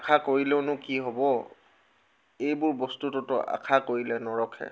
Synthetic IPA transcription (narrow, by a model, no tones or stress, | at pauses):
akʰakoɹilɛʊnʊkiɦɔbɔ | ejbʊɹbɔstutʊtʊʔa̰kʰakoɹilɛnɔɹɔkʰɛ̰